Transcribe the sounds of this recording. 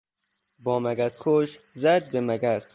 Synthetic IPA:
bɒːmæɡæst̪̚kʰoʃ | zæd̪̚bemæɡæst̪

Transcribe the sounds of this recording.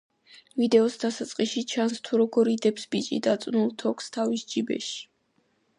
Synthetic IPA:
vid̪ɛɔsd̪asat̪sʼqʼiʃit͡ʃʰanst̪ʰuɾɔɡɔɾid̪ɛpsbit͡ʃʼḭd̪at̪sʼnulˠt̪ʰɔkʰst̪ʰavisd͡ʒibɛ̰ʃi̥

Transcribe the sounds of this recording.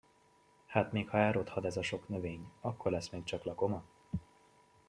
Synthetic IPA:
haːt̪meːkhɒɛːɾo̞t̪hɒd̪ɛzɒʃo̞knø̞veːɲɒkːo̞rlɛsːmeːk̚t͡ʃɒklɒko̞mɒ

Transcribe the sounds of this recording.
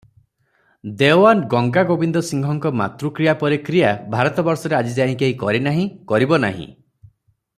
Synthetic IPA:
d̪ewanɡɔŋɡaɡobind̪ɔsiŋɡʱɔŋkɔma̰t̪ɾukɾijapɔɾekɾijabʱaɾɔt̪ɔbɔɾsɔɾead͡ʒid͡ʒaɦĩkeɦĩkɔɾinaɦĩkɔɾibɔna̰ɦḭ̃

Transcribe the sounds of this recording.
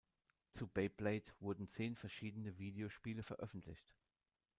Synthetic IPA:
t͡subeɪpleɪtv̥ʊɐdn̩t͡seːnfɛɐʃiːdənəviːdeoʃpiːləfɛɐʔœfn̩tʰlɪ̰çt

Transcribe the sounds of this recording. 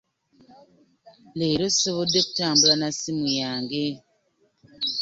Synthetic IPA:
leːɾosoβodːeku̥taːmbulanasimujaːŋɡe

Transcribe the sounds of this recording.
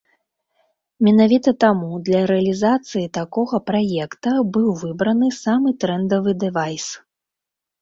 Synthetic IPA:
mʲɛnavʲit̪ɐt̪amud̪lʲɐɾɛɐlʲizat̪sɨjit̪akɔɣɐpɾajɛkt̪ɐbɨwvɨbɾɐnɨsamɨt̪ɾɛnd̪ɐvɨd̪ɛvajs

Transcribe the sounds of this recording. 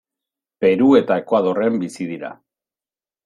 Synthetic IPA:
pe̞ɾue̞t̪aekoað̞o̞re̞mbisiðiɾa̰

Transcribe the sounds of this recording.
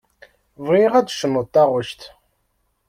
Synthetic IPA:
vʁiʁæd̪ʃənət̪ːɑʁəʃt̪

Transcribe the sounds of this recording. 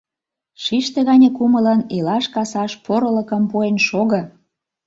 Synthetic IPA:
ʃiʃt̪ĕɣɑnʲekumələnilɑʃkɑsɑʃpoɾələ̆kə̆mpuenʃoɣɤ̆

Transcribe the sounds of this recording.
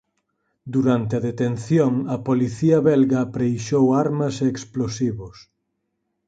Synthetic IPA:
d̪uɾant̪eɐðet̪enθjoŋɐpoliθiɐβɛlɣɐpɾejʃowaɾmɐseːksplosiβʊs

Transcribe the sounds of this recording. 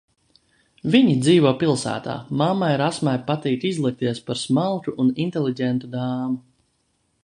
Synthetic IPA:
viɲid̪ziːvɔpilˠsæ̰ːt̪a̰ːmamːajɾasmajpat̪iːt̪izlˠik̚t̪iɛspaɾsmalˠt̪uʔunint̪ɛlˠiɟɛnt̪ud̪aːmu

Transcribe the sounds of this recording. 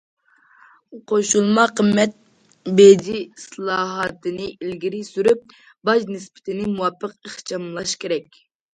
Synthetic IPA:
qʰoʃulˠmɑqʰəmːɛt̪̚ | bed͡ʒislˠɑːɦɑt̪ʰɨnɨilɡʲiɾɪsyɾyp̚ | bɑʒnɪspɪ̥t̪ʰɪnɪmuwɑpʰːəqəχt͡ʃʰɑmlˠɑʃkʲʰeɾɛkʲ

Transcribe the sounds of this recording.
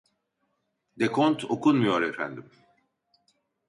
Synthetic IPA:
d̪ekʰont̪ʰokʰunmujo̞ɾefæ̰nd̪im

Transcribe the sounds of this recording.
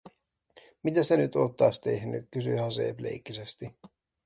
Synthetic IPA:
mit̪æsenyt̪o̞ːt̪ːɑːst̪e̞̰hny̰kkysyjhænsḛplḛikːisest̪i

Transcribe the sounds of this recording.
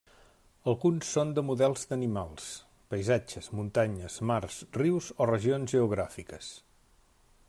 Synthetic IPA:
əlˠɣunsːond̪əmuðɛlˠzd̪ənimalˠs | pəjzad͡ʒəzmunt̪aɲəzmarsriwzorəʒionzʒəuɣ̞ɾafikəs

